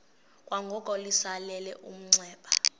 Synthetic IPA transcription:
kʼwaŋɡʱɔkʼɔlisalɛlɛʔum̩ŋ͡ǀɛːɓa

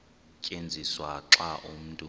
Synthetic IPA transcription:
cʼend͡zʱiswaǁaʔum̩tʼu

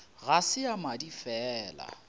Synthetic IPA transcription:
ɣasɪamadifɛːla̰

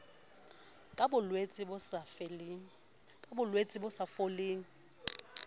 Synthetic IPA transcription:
kʼbʊlwet͡sʼi | bʊlwet͡sʼibʊsafoleːŋ̩

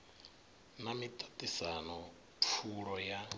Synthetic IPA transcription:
namitʼatʼisanɔ | p̪fʰuɺɔja

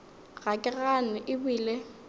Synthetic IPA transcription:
ɣakʼɪɣanʊʔɪbʊiːle

